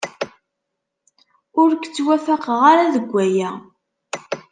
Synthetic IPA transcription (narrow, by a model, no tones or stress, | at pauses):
ʊɾkt͡sːwæfaqəʁaɾaðəɡʷːæjæ